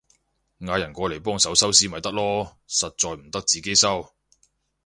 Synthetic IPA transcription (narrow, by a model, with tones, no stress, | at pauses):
ŋaː˨˧jɐ˨˩nkʷɔː˧le˨˩jpɔː˥ŋsɐ˨˥wsɐ˥wsiː˥mɐ˨jt̪ɐ˥k̚lɔː˥ | sɐ˨t̚t͡sɔː˨˧jm̩˨˩t̪ɐ˥k̚t͡siː˨ke˥jsɐ˥w